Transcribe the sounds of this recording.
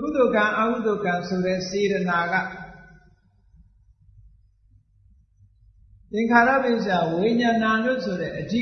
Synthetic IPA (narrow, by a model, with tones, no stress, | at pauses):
kṵ˦˨d̪o˨ɡã˨ʔa˨ku˦˨d̪o˨ɡã˨nsʰo˨ɾɛ˦˨se˨ɾə˨na˨ɡa̰˦˨ | ʔɪ̃˨ŋkʰa˨ɾa̰˦˨bɪ̃˨s̬ja˨we˨ɲã˨nã˨lʊ̰̃˦˨sʰo˨ɾɛ̰˦˨ʔədḭ˦